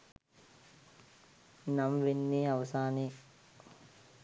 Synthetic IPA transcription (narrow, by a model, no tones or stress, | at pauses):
namʋenːiːɐʋɐsaːneː